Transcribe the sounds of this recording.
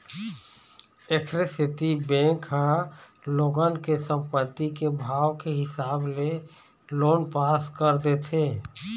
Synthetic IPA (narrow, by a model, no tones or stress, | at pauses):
ekʰɾesɪt̪ibɛ̃ːŋkɦə̃ | loːɡənkesə̃mpət̪ːikebʱaːwkeɦɪsaːble | loːnpaːskəɾd̪et̪ʰeː